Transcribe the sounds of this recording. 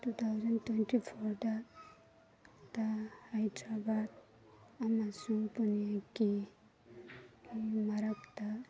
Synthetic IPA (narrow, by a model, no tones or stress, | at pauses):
t̪ut̪ʰawzʌntwenʈipʰɔɾda | t̪ahajdɾabad̪̚ | amasuŋpunijaki | maɾakt̪a